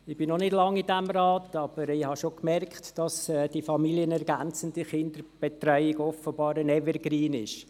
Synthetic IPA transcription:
ɪb̥ɪnɔnɪdlɑŋːidæmrɑːtɑb̥əɾɪhɑʃokmɛrkχtd̥ɑsɛd̥ifɑmiliənɛɾɡænt͡səndəχɪnd̪əɾb̥ɛtɾœʏɪɡɔfəbɑːɾənɛvəɾɡɾiːnɪʃ

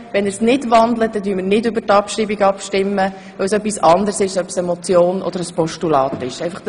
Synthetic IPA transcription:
ʋɛnəɾsnɪdʋɑnd̪lət̚d̥ɛdyːmɪɾnɪdʏbəɾtɑpʃɾiːbiɡɑpʃtɪmːə | ʋœwsœpːisɑnd̪əɾsɪʃœpsɛmɔt͡sjoːnɔ̰d̥əɾəspɔʃtulɑːt̪ɪʃɛjfɑχ

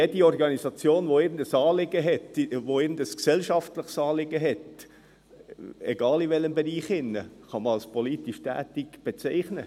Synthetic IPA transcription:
jɛdiɔrɡɑnizɑt͡sjoːnʋoɪɡən̩dəsɑːlɪɡəɦɛtʋoɪːɡn̩dəsksɛlʃɑftləχsɑːlɪɡəɦɛt | ɛɡɑːliʋɛləmbeɾiːχɪnːəχɑməɑlspoliːtiʃtæ̰ːtiɡb̥et͡sɛɪχnə

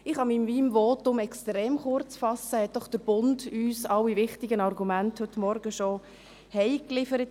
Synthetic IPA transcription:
ɪχɑmiːmviːmʋoːtʊmɛkstɾɛːmχʊɾt͡sfɑsəhɛt̚d̥ɔχd̥əɾb̥ʊndyːsɑwivʋɪχtɪɡənɑɾɡumænthɵtmɔɾɡəʃo | hɛɪklɪfəɾət

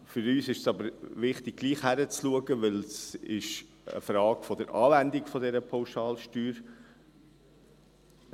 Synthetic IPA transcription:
fʏɾyːsɪʃsɑbəɾʋɪχt̪ɪɡ̚ɡ̥liːχhæɾət͡sluəɡəʋɪlsɪʃ | ə̰fɾɑːɡfɔd̥̪əɾʔɑ̰ːvænd̪ɪkfɔd̪ɛɾəpʰaʊʃɑːlʃtyːɾ

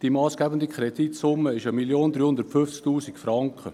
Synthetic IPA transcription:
d̥imɑːsɡ̥æːbəndikχɾɛdit̪sʊmːəɪʃəmiljoːnd̪ɾyːhʊndəɾtfʏft͡sk̚tuːsikfɾɑŋkχə

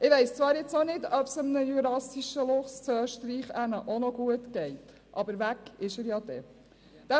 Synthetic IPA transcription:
ɪʋɛɪst͡sʋɑːɾjɪt͡sonɪdœpsəmnəjyɾɑsiʃəlʊχst͡sœːʃtɾiːχænəʔonɔɡuətɡ̥ɛɪt | ʔɑ̰bəɾʋækɪʃəɾjɑd̥̪ɛ̰ː | d̥æ

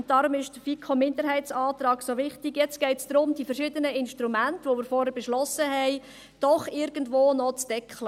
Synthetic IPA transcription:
ʊnt̚d̥ɑːɾʊmɪʃd̥əfikʰomɪndəɾɦɛɪt͡sɑːt̪rɑːɡsoʋɪχtɪɡjɛt͡sɡ̥ɛɪtsd̥̪ɾʊmd̥iːfɛɾʃɪdənəɪnʃtɾumæntəʋomɪːɾfɔɾhəɾb̥ɛʃlɔsəɦɛɪ | d̥ɔχɪɾɡ̥əndʋoːnɔt͡sd̥ɛkχlə

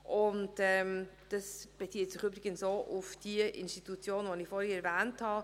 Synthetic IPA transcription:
ʔʊntɛmd̥ɑsb̥et͡siətsɪχyːbɾɪɡənsoːʔʊfd̥iəʔɪ̰nstitut͡sjoːnvonɪfɔːɾhiɛɾvæːnthɑ

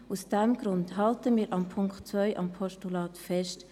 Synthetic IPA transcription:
usd̥ɛmɡ̥ɾʊndɦɑltəmiːɾʔɑmpʰʊŋktt͡svœʏʔɑmpʰɔʃtulɑːtfɛst

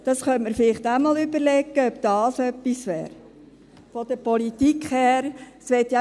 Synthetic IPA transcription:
d̪̥ɑsχœnməɾfɪlɪχt̪æmɑːlybəɾlɛkːəœbd̥ɑːsœpːisʋɛ̰ːɾ | fɔd̥̪əɾpɔlit̪ikχhæːɾsʋɛtjɑ

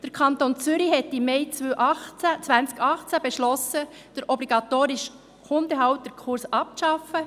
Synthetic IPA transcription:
d̥əɾkʰɑnt̪ont͡sʏɾiɦɛtːimɛɪt͡sʋøwʔɑχt͡sæt͡sʋænt͡skɑχt͡sæbeʃlɔsə | d̥əɾʔɔbliɡɑt̪oːɾɪʃ | χʊnd̪əɦɑwt̚d̥̪əɾkʰʊɾsɑp̚ʃɑfə

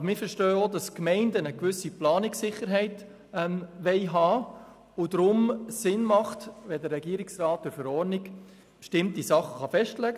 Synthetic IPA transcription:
ɑbmɪfəɾʃtœːodɑskmɛɪndənəkʋʏsiplɑːnɪksɪχːəɾɦɛɪt | ɛmʋɛɪɦɑː | ʊdɾʊmsɪnmɑχtʋɛdəɾːɛɡiːɾɪksrɑːtɪɾfəɾɔɾniɡ̥ | bʃtɪmtisɑχːə̥χɑfɛʃtlɛɡə

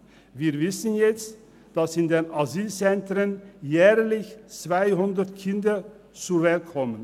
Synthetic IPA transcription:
viːɐvɪsənjɛt͡st | d̥asɪndeːnʔaziːlt͡sɛntʁənjɛːʁlɪçt͡sv̥aɪɦʊndətkʰɪndə | t͡suːvɛlkʰɔmən

